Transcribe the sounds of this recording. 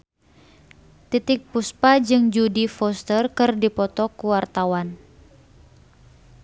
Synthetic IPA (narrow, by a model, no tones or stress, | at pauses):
t̪it̪ɪk̚puspad͡ʒɨŋd͡ʒudifɔst̪ərkɨrdipɔt̪ɔkuwart̪awan